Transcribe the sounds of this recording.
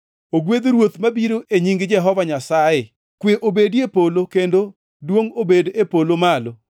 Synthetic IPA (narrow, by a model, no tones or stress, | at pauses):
oɡwed̪ɾwot̪mabiɾoʔeɲiŋɡd͡ʒɛɦɔvaɲasajɪ | kweʔobedjepolokendo | dwoŋobedepolomalo